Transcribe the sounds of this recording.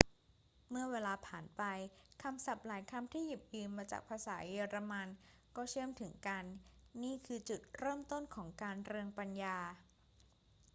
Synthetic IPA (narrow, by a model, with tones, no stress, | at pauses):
mɯ˥˩ɐweː˧laː˧pʰaː˨˩npa˧jkʰa˧msa˨˩p̚laː˨˩˦jkʰa˧mt̪ʰiː˥˩ji˨˩p̚jɯː˧mːaː˧t͡ɕa̰ː˨˩k̚pʰaː˧saː˩˦jiː˧ɾa˧ma˧nkɔː˥˩t͡ɕʰɯ˥˩əmt̪ʰɯ˩˦ŋka˧nːiː˥˩kʰɯː˧t͡ɕu˨˩t̪̚ɾɤː˥˩mt̪o˥˩nkʰɔː˩˦ŋkaː˧nɾɯ˧əŋpa˧njaː˧